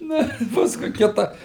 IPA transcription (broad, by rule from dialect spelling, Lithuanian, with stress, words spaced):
ˈnɐ ɪ ˈpɑːskʊɪ ˈkʲɪtɐ